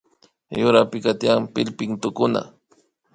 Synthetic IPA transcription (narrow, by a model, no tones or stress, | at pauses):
jʊɾapɪkat̪ijampɪlpɪŋt̪ʊkʊna̰